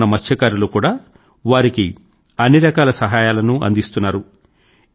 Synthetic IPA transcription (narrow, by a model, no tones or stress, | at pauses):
ɐmɐt͡ʃt͡ʃʰːɐkaːɾulukuːɽaː | ʋaːɾiki | ɐnːiɾɐkaːlɐsɐɦaːjaːlɐnuʔɐ̰nd̪ist̪unːaːɾu